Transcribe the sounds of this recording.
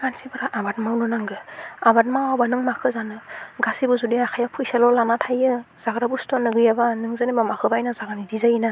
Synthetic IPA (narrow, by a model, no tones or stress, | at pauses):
kansibɯɾaʔabat̚mawnɯnaŋɡɯabat̚mawabanɯŋmakʰɯzanɯɡasibuzudiakʰajapʰujsalɔlanatʰajɯz̥aɡɾabustɔnːɯɡɯjabanɯŋzɯnebamakʰɯbajnazaɡanidizajina